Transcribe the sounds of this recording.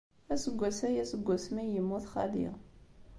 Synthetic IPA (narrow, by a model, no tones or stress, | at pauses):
æsəɡʷːæsæjæsəɡʷːæsmæjəmːuθχa̰lḭʁ